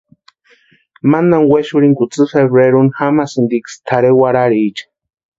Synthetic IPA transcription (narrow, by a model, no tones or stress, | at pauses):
manaŋweʃuɾiŋkut͡sɨfeβɾeɾunxamasɨnd̪ikst̪ʰaɾewaɾaɾiːt͡ʃḁ